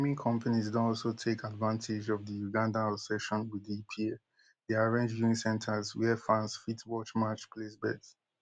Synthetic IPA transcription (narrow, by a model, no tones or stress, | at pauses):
mĩŋkʰɔ̃mpʰanizdõɔlˠsotʰekadvãntʰɪd͡ʒɔvðəjuɡãndaɔsɛʃɔ̃nwiðipʰi | ðeaɹẽnd͡ʒjuĩsɛ̃ntʰəzwɛfãnsfitwɔt͡ʃmat͡ʃpʰlesbɛ̰ds